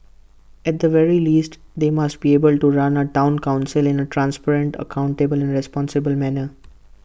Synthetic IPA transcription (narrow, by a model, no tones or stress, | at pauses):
ɛʈ̚d̪əʋɛɾiliːsʈ | d̪eːmɐsʈ̚bieːbəlʈuɾʌ̃nəʈãʊ̃nkãʊ̃nsɪlɪ̃nəʈɾãnspɛɾə̃ɳʈə̰kãʊ̃ɳʈebəlɛ̃nɾɛspɔ̃ːnsɪbəlmænə